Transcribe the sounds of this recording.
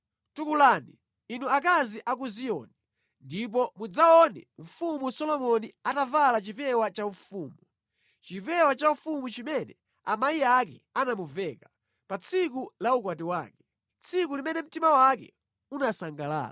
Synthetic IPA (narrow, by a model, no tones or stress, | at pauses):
tukulaːni | inuakaziʔak̬uzijɔ̰nɛ | ndip̬ɔmud͡zaɔnɛ̰m̩fumusɔlɔmɔniatavalat͡ʃipɛwat͡ʃaufuːmu | t͡ʃipɛwat͡ʃaufumut͡ʃimɛnɛ | a̰maiakɛanamuvɛka | pat͡sʰikulauk̬watiwa̰ːkɛ | t͡sʰikulimɛnɛm̩timawakɛ̰ | unasaŋɡala̰ːla